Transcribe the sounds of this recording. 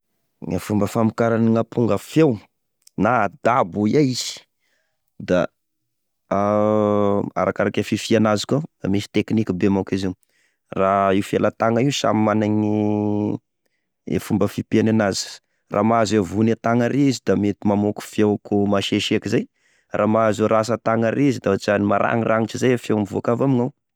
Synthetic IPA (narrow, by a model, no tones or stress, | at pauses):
ŋafumbəfamikaɾaniŋapʰuŋɡəfjew | nad̪abuiaiz̥i̥ | d̪a̰ | a̰ɾakaɾakafifianazi̥kod̪a̰misi̥t̪eknikibemakiziw | raiwfielat̪aŋaiusa̰mimanaɲi | ḛfumbəfipenanazi̥ | rʔa̰maazavunat̪aŋaɾʔezid̪amet̪imamoku̥fjewkumaʃeʃeakizaj | rʔaːmaazoɾas̬ət̪aŋaɾʔezid̪aot͡ʃanimaɾʔa̰ŋira̰ŋit͡ʃizajafjewmivoakavamiŋaw